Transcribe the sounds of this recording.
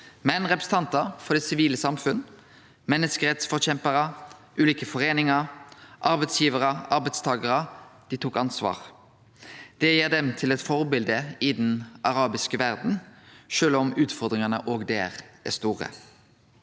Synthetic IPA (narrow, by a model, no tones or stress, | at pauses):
mɛnʁɛpɾʁəsət̪ɑnt̪əʁfɔd̪ɛːsɪʋiːləsɑmfʉn | mɛnːəskəʁɛt̪sfɔʁçɛmpəʁəʔʉːliːkəfɔʁeːnɪŋɑɾʔɑɾbɛɪt̪sjiːʋəʁəʔɑʁbɛɪt̪st̪ʰɑːɡəʁəd̪̥it̪ʰuːkɑnsʋɑ̰ːʁ | d̪̥ɛjeːʁd̪ɛmt̪ʰɪlɛt̪fɔʁbɪld̪əɪd̪n̩ʔɑʁɑːbɪskəʋæʁd̪n̩ʃøːlɔmʉːt̪fɔʁd̪ʁɪŋɑnə̰ʔoːɡd̪eːʁæ̰st̪uːʁə̰